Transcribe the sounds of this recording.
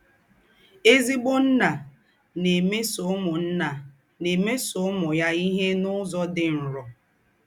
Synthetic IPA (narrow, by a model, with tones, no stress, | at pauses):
e˦zi˦bʊ˦n̩˦na˨ | ne˨me˦sʊ˨˦mʊ˨n̩˦na˨ | ne˨me˦sʊ˨˦mʊ˨ja˦i˦ɦe˦nʊ˦zɔ˦dɪ˨n̩˨ɾʊ˨